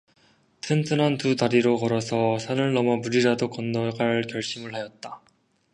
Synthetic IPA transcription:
tʰɯntʰɯnʌntutaɾiɾokʌɾʌsʰʌsʰanɯɭnʌmʌmuɾiɾadokʌnːʌɡaɭkjʌɭɕ͈imɯɭhajʌt̚t͈a

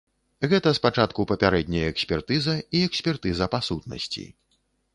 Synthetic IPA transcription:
ɣɛt̪ɐspat͡ʂat̪kupɐpʲaɾɛd̪̚ʲnʲɐjɐɛksʲpʲɛrt̪ɨzɐiɛksʲpʲɛrt̪ɨzɐpasut̪̚nɐ̰sʲt͡sʲḭ

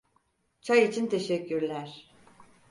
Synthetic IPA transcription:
t͡ʃʰajit͡ʃʰint̪ʰeʃɛcːyɾlʲæɾ̥

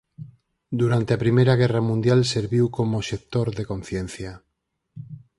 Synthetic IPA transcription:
d̪uɾant̪eapɾimejɾaɣ̞ɛramũnd̪jalseɾβiwkomoʃek̚t̪oɾðekõn̟θjen̟θja

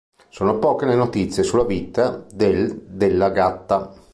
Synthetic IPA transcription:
soːnopɔːkeleenot̪it̪sːjesulːavit̪ad̪eld̪elːaɡat̪ːa

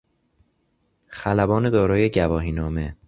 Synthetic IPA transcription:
xælæbɒːne̞d̪ɒːɾɒːje̞ɟævɒːɦiːnɒːme

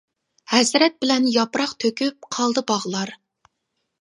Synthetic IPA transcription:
hɛzɾɛt̪̚bɪlɛnjɑpɾɑqt̪ʰøkʲʰyp̚qʰɑlˠd̪ɨbɑʁlˠɑɾ

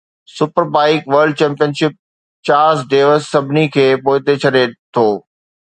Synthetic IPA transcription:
sʊpəɾbaːɪkʋəɾɖ̚t͡ɕɛ̃ːmpijənʃɪp̚ | t͡ɕaːɾzɖeːʋəsːɐbʱɪnikʰeːpoːɪt̪et͡ɕʰɐɗet̪ʰoː

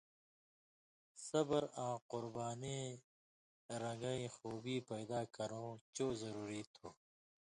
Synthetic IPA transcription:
sɐbəɾãːqʊɾbaːnĩː | ɾɐ̃ŋɡaːĩxoːbiːpɐjd̪aːkɐɾõːt͡ʃoːzɐɾuːɾiːt̪ʰoː

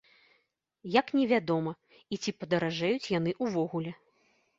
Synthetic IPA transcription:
jaknʲɛvʲad̪ɔmɐ | it͡sʲipɐd̪ɐɾaʐɛjut͡sʲjan̪ɨʔuvɔɣulʲɛ

